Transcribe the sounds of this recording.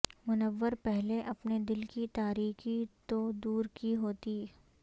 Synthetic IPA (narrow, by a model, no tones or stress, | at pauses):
mʊnəʋːəɾpɛɦleʔɐpned̪ɪlkit̪aːɾiːxit̪od̪uːɾkiɦoːt̪iː